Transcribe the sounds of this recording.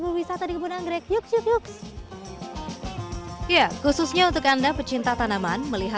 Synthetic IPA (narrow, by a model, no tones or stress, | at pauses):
bəwisat̪adikəpunanɡɾɛk̚juksjukjuks | jakususɲaunt̪ʊkandapət͡ʃint̪at̪anamanməliɦa